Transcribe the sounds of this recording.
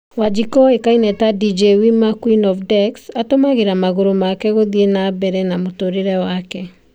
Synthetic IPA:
wad͡ʒikɔekainɛtadid͡ʒewimakwinɔfdɛksatomaɣeɾamaɣoɾomakɛɣoðienabɛɾɛnamotoɾeɾɛwakɛ

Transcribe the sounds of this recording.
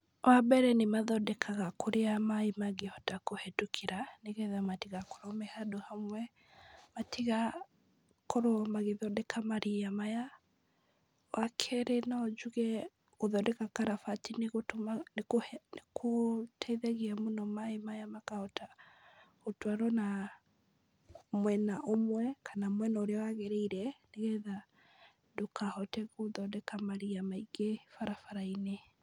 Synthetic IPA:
wabɛɾɛnemaðɔdɛkʰaɣakoɾeamaimaɡehɔtakohɛtukʰiɾaneɣɛðamatiɣakɔ̥ɾɔmɛhadohamwɛ | matʰiɣa | kɔɾɔmaɣeðɔdɛkʰamaɾiamaja | wʔakʰɛɾenaːd͡ʒuɣɛ | ɣoðɔdɛkakaɾafatineɣotnekohnekʰotʰɛiðɛɣeamonɔmaemajamakahɔta | otwaɾɔna | mwɛnaʔomwɛkʰanamwɛnaoɾeɔwaɣeɾeiɾɛneɣɛða | dokahɔtɛɣoðɔdɛkamaɾiamaiɡefaɾafaɾaine

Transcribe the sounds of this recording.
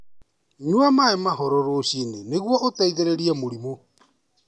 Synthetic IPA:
ɲwamaemahɔɾɔɾoːɕineneɣwɔotaiðeɾeɾiɛmoɾimo

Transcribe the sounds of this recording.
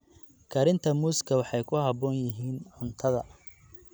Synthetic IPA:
kʰɐɾɪnt̪ʰɐmuːskʰɐwɑħɑjkʰʊɦɑbɔːnjɪɦiːnʕʊnt̪ʰɐðɐ̰

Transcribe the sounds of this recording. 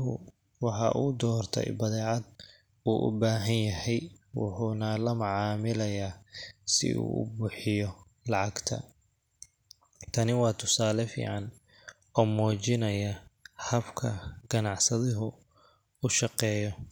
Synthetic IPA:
ɦʊ̰ | wɑħɑ̰ʔṵːd̪ɔːrt̪ʰɛ̰jbɐðɛːʕɑd̪̚ | uːʔʊ̰baːɦɐnjɐɦɛjwʊ̰ħuːnɐlɐmʊʕɑːmɪlɐjaːsɪ̰ʔṵːʊ̰bʊħɪjɔ | lɑʕɑɡt̪ʰɐ̰ | t̪ʰɐnɪwɑːt̪ʰʊsaːlɛfḭːʕɑn | ɔːmɔːt͡ʃɪnɐjɐhɐbkʰɐɡ̥ɐnɑʕsɐðɪɦʊ | ʊʃɑqɛːjɔ

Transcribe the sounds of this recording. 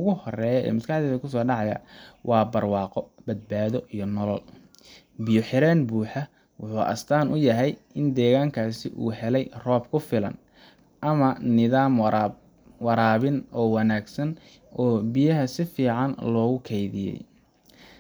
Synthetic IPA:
ʊɣʊhɔrɛːjɔɛ̰ːmɐskɑħd̪ɛːðɐkʰʊs̬ɔːɖɑʕɑjɐ̰wʔɑːbɐrwɑːqɔbɐd̪̚baːðɔʔijɞnɔlɔl | bɪjɔħɪɾɛːnbuːħɑ | wʊħuːʔɐ̰st̪ʰaːnʔʊjɐɦɛj | ɪnd̪ɛːɣaːŋkʰaːsɪʔṵːɦɛlɛjrɔːb̚kʰʊfɪlɐ̰n | ʔɐmɐnɪðaːm | wɑɾaːβɪnʔɔːwɑnaːɡsɐn | ʔɔːbɪjɐɦɐsɪfiːʕɑnlɔːɣʊkʰɛjðɪjɛ̰j

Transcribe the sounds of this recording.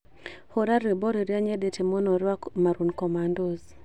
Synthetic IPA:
hoɾaɾebɔɾiɾjaɲedetemɔnɔɾwakmaɾunkɔmandɔz

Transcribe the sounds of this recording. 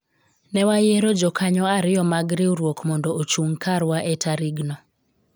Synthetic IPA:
nɛwajeɾod͡ʒɔkaɲɔaɾɪjɔmaɡɾɪwɾwokmɔndɔot͡ʃuŋkaɾwaʔetaɾiɡnɔ

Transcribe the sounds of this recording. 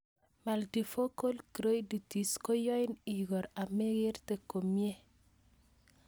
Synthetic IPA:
maldifokolkiɾojdutiskojɔjniɡɔɾameɡiɾtekomie

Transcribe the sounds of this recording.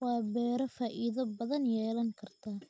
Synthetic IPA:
wɑːbɛːɾɐfaːʔiðɐbɐðɐnjɛːlɐŋkʰɐrt̪ʰaː

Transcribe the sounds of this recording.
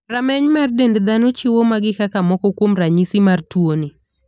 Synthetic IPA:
ramɛɲmardendd̪anot͡ʃɪwomaɡɪkakamɔkɔkwomraɲisɪmartwonɪ

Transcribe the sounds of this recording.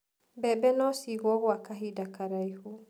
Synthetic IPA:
bɛbɛnɔsiɣɔɣwakaɦidakaɾaihu

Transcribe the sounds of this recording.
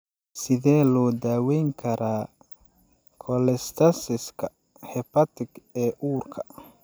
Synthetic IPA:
sɪðɛːlɔːd̪aːwɛjŋkʰɐɾaː | kʰɔlɛst̪ʰɐsɪskʰɐ | hɛpʰɐt̪ʰɪɡɛːʔuːrkʰɐ̥

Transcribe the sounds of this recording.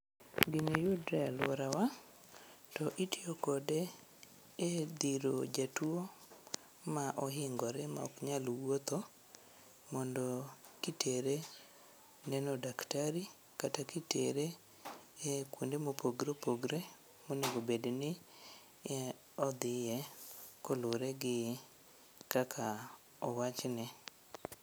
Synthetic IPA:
ɡinejudɾɛlwɔɾawa | tɔʔitiokɔde | ed̪iɾo̰d͡ʒatuo | maʔɔɦɪŋɡɔɾɛma̰ɔ̰kɲalwot̪o | mɔndɔkitʰeɾe | nɛnɔdaktaɾi | katakitḛɾe | ekwondemopoɡɾopoɡɾe | moneɡobednɪ | ɔd̪ɪjɛkoloɾɛɡɪ | kakʰa | ɔwat͡ʃnɛ

